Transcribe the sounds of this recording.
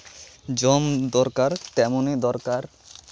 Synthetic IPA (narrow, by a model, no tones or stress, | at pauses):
d͡ʑɔmd̪ɔɾkaɾt̪ɛmonid̪ɔɾkaɾ